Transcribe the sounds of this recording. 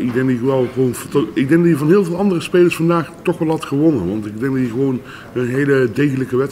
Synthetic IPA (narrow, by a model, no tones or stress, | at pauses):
ɪɡdɛŋk̚djəəʋɛlˠχəʋownvtɪɡ̚dɛŋɡdɑtjəvɑnɦɪːlˠvɪːlˠɑndərəspejləɹsfɑndaːχtɔχʋɛlˠɦɑtχəʋɔnənʋɑntɪɡ̚dɛŋɡdɑtjəɣəʋown | ənɦejlədejɣələkəʋɛt